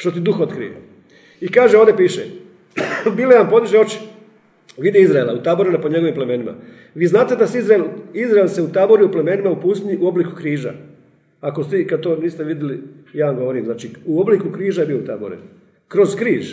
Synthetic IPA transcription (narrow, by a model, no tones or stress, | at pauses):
ʃt̪o̞t̪id̪uxot̪kɾḭjḛ | ikaːʒeoʋd̪ʲepiːʃḛ | mileampo̞d̪iʒeo̞t͡ʃi̥ | ʋid̪iizɾaelˠaut̪aːboɾinapoɲe̞ɡoʋimpleme̞ːnima̰ | ʋiːznaːt̪e̞d̪asizɾaelizɾaelseut̪aːbo̞ɾiupleme̞ːnimaupust̪niʔuo̞bliku̥kɾiːʒa̰ | akost̪ikad̪̚t̪oːniːst̪eʋid̪jelijaːamɡo̞ʋo̞ɾiːmznaːt͡ʃiuo̞blikukɾiːʒajbijout̪aːbo̰ɾḭn | kɾo̞zkɾiːʒ